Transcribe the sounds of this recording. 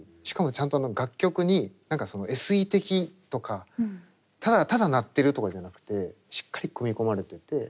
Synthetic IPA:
ɕi̥kamo̞t͡ɕãnt̪oano̞ɡakʲːo̞kɯ̟ɲ̟inãŋkaso̞no̞e̞sɨit̪e̞kʲit̪o̞kʰa | t̪ad̪at̪ad̪anat̪ːe̞ɾɯ̟t̪o̞kad͡ʑanakɯ̟̥t̪e̞ɕi̥kːaɾʲikɯ̟mʲiko̞maɾe̞t̪e̞t̪e̞

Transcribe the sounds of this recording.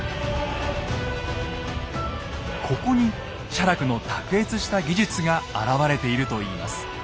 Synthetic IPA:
kʰo̞ko̞ɲ̟i | ɕaɾakɯ̟no̞t̪akɯ̟e̞t͡sɨɕi̥t̪aɡʲiʑɨt͡sɨɡaaɾaβaɾe̞t̪e̞iɾɯ̟t̪o̞iːma̰sɨ̥

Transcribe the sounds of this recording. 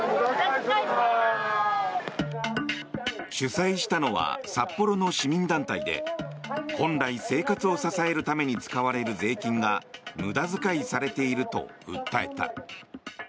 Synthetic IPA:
ɕɨsaiɕi̥t̪ano̞βa̰sapːo̞ɾo̞no̞ɕimʲĩnd̪ãnt̪aid̪e̞̰ | hõ̞nɾaise̞ːkat͡sɨo̞sasae̞ɾɯ̟t̪ame̞ɲ̟it͡sɨ̥kaβaɾe̞ɾɯ̟ze̞ːkʲĩŋɡamɯ̟d̪azɨkaisaɾe̞t̪e̞iɾɯ̟t̪o̞̰ɯ̰t̪ːae̞̰t̪a̰

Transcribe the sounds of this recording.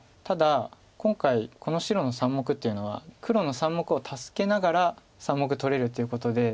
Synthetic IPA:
t̪ad̪a | kõ̞ŋkaiko̞no̞ɕiɾo̞no̞sãmːo̞kɯ̟t̪ːe̞jɯ̟no̞βa̰kʰɯ̟ɾo̞no̞sãmːo̞kɯ̟o̞t̪ʰasɨ̥ke̞naɡaɾa | sãmːo̞k̬ɯ̟t̪o̞ɾe̞ɾɯ̟t̪ːe̞iɯ̟ko̞t̪o̞d̪e̞

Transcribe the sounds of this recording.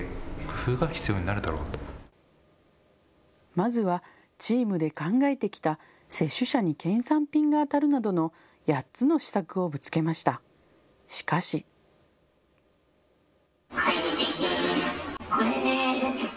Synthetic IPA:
kɯ̟fɯ̟ːɡaçʲi̥t͡sɨjo̞ːɲinaɾɯ̟d̪aɾo̞ːt̪o̥ | mazɨβa | t͡ɕiːmɯ̟d̪e̞kãŋɡae̞t̪e̞kʲi̥t̪a | se̞ɕːɨɕaɲ̟ikẽ̞ɰ̃sãmpʲĩŋɡaːt̪aɾɯ̟nad̪o̞no̞ | jatt͡sɨno̞ɕi̥sakɯ̟o̞bɯ̟t͡sɨ̥ke̞maɕi̥t̪a | ɕi̥kaɕi | ait̪ekʲ | koɾed̪e

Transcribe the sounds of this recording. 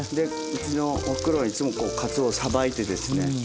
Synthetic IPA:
d̪e̞ | ɯt͡ɕino̞okɯ̟ɾoit͡sɨmo̞ko̞ːkʰat͡sɨosabait̪e̞d̪e̞sɨne̞

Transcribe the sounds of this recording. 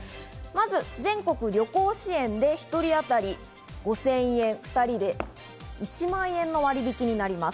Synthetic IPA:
mazɨzẽ̞ŋko̞kɯ̟ɾʲjo̞ko̞ːɕiẽ̞nd̪e̞çi̥t̪o̞ɾʲiat̪aɾʲi | ɡ̥o̞sẽ̞ɰ̃ẽ̞ɰ̃ɸɯ̥t̪aɾʲid̪e̞ | it͡ɕimãɰ̃ẽ̞nːo̞βaɾʲibʲikʲiɲ̟inaɾʲimas

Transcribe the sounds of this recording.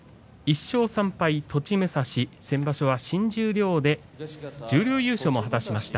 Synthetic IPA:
iɕːo̞ːsãmpait̪ʰo̞t͡ɕimɯ̟saɕisẽ̞mbaɕo̞βaɕĩɲ̟d͡ʑɨːɾʲjo̞ːd̪e̞ | d͡ʑɨːɾʲjo̞ːjɨ̟ːɕo̞mo̞ɦat̪aɕimaɕi̥t̪a

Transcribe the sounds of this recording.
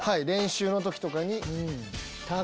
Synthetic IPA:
haiɾẽ̞ɰ̃ɕɨːno̞t̪o̞kʲi̥t̪o̞kaɲ̟i | t̪a

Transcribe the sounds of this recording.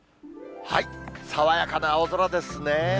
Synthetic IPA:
haisaβajakanaozoɾad̪e̞sɨne

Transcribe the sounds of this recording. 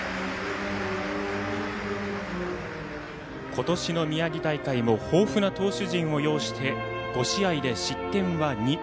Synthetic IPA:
kʰo̞t̪o̞ɕino̞mʲiaɡʲit̪aikaimo̞ho̞ːɸɯnat̪o̞ːɕɨʑĩɰ̃o̞jo̞ːɕi̥t̪ʰe̞ɡ̥o̞ɕiaid̪e̞ɕit̪ːẽ̞ɰ̃βaɲ̟i

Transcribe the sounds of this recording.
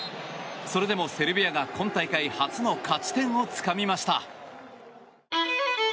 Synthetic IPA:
so̞ɾe̞d̪e̞mo̞se̞ɾɯ̟bʲijaɡakʰõ̞nt̪aikaihat͡sɨno̞kʰat͡ɕi̥t̪ẽ̞ɰ̃o̞t͡sɨ̥kamʲimaɕi̥t̪a̰

